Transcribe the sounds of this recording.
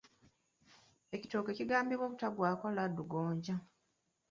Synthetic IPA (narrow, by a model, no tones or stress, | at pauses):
e̞ci̥to̞ːkeciɡaːmbiβwoβutaɡwaːkaladːuɡoːɲɟa